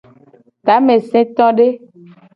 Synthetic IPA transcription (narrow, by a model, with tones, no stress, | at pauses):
t̪a˨˦mẽ˨sẽ˦t̪ɔ̃˦ɖe˦